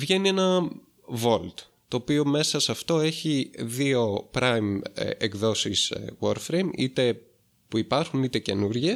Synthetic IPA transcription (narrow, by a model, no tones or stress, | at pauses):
vʝe̞nie̞nɐ | vo̞lt̪ | t̪o̞ːpio̞me̞sɐsɐft̪o̞eçiðio̞pɾɐjm̰ekðo̞siswoɾfɾejmḭt̪e̞ | puipɐɾxunit̪e̞ce̞nuɾʝe